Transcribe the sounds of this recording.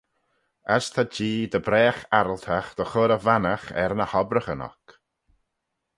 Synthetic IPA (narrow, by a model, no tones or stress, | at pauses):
ast̪ʰad͡ʒiːd̪əbɾɛːxaɾəlt̪ʰaxd̪̥əxoːɾəvanaxɛ̰ɾnəhɔbɾəxənɔ̰k